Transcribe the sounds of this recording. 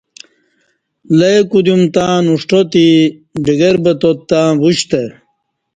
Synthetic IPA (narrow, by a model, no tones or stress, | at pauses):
lɐjkud̪jumt̪ãːnuʂʈot̪iɖiɡeɾbɐt̪ot̪ːãːbuɕt̪e